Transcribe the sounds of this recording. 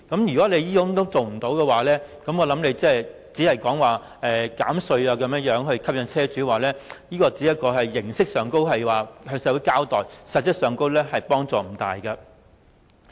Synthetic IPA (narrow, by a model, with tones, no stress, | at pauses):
kɐ˨˥mjy˨kɔː˨˥le˨˧jjiː˥kʊ˥ŋt̪o˥wt͡so˨wm̩˨˩t̪o˨˥wkɛ˧waː˨˦lɛː˥kɐ˨˥mŋɔː˨˧lɐ˨˥mle˨˧jt͡sɛː˥˩ | t͡siː˨˥hɐ˨jkɔː˨˥ŋwaː˨ | ɛː˨ka̰ː˨˥msɵ˧ɥaː˧kɐ˨˧˥mjɐ˥jœː˨˥ŋhɵ˧ɥkʰɐ˥p̚jɐ˨˧nt͡sʰɛː˥t͡syː˨˥waː˨˩lɛː˥jiː˥kɔː˧t͡si˨˥jɐ˥t̚kɔː˧ɦɐ˨jːɪ˨˩ŋsɪ˥k̚sœː˨ŋko˥wɦɐ˨jwaː˨ɦɵ˧ŋsɛː˧˥wu˨˥jkaː˥wt̪ɔː˨˩jsɐ˨t̚ːjɐ˥t̚sœː˨˧ŋko˥wlɛː˥ɦɐ˨jpɔː˥ŋt͡sɔː˨m̩˨˩t̪a̰ː˨jɡɐ˧